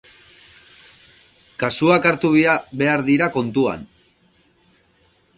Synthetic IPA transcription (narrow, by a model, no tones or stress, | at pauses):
kasuakaɾt̪uββe̞aɾðiɾako̞nt̪ua̰n